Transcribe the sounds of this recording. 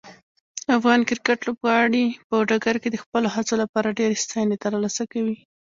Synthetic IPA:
afɣɑnkɪɾkaʈlobɣɑɽipəɖaɡaɾked̪əxpəloɦat͡solapɑɾaɖeɾest̪ɑjnet̪əɾlɑsakawi

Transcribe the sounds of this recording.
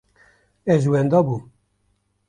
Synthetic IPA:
ɛʒwɛnd̪ɔbu

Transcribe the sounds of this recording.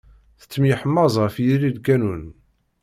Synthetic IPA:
θə̥t͡sːəmjəħəmːɑzˤfjililkænun

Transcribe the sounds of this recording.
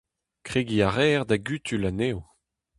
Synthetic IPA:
kχeɡiaʁɛːʁd̪aɡyt̪ʰylanew

